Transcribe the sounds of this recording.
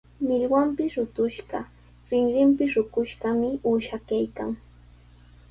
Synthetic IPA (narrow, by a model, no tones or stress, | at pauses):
mɪʎwampɪsɾʊt̪ʊʃɢɑ̰ | ɾɪŋɾɪmpɪsɾʊkʊʃɢɑmɪuːʃakajka̰ŋ